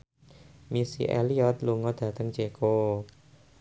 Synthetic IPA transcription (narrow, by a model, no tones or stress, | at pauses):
misḭʔḛliɔt̪̚luŋɔd̪̥ä̤t̪əŋd͡ʒeko